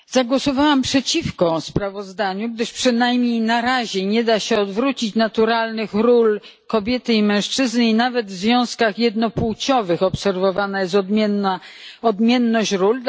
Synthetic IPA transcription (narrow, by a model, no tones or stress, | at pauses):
zaɡwɔsɔvawampʂɛt͡ɕifkɔspɾavɔzd̪aɲuɡ̚d̪ɘʂpʂɘnajmɲejnaɾaʑɛɲɛd̪aɕɛɔd̪vɾut͡ɕit͡ɕnat̪uɾalnɘxɾul | kɔbʲjɛt̪ɘimɛ̃w̃ʂt͡ʂɘznɘinavɛd̪vzvʲjɔ̃w̃skaxjɛd̪nɔpuwt͡ɕɔvɘxɔpsɛɾvɔvanajɛst̪d̪mʲɛnːaɔd̪mʲjɛnːɔɕɾul